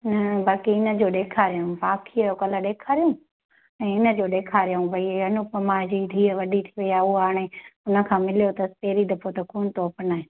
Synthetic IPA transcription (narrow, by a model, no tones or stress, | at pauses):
nɐbaːkiɪnə̆d͡ʑoːɗeːkʰaːɾijaɦũbaːkʰiəjokɐləɗeːkʰaːɾijũ | ɛ̃ːɪnə̆d͡ʑoːɗeːkʰaːɾijaũʋɐiɐnʊpəmaːd͡ʑid̪ʱiːəʋɐɗit̪ʰiʋɐijaːuaːɽ̃eʊnə̆kʰãːmɪlijot̪ɐst̪eːɾid̪ɐpot̪ɐkuːnt̪oːpənaːɦẽː